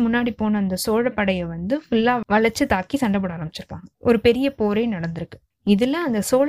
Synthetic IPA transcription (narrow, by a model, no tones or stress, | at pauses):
mʊnːaːɽipoːnɐːnd̪ɐsoːɻɐpːɐɽɐjɐʋɐnd̪ɯfʊlːaːʋɐɭɐɾt͡ʃːɯt̪aːkːisɐɳɖɐpɐɽaːɾɐmbɪt͡ʃːɪɾɯpːa̰ːŋɡɐɔɾɯpɛɾɪjɐpoːɾeːnɐɽɐnd̪ɪɾɯkːɯ̥ | ɪðɛlːãːɐnd̪ɐsoːɻ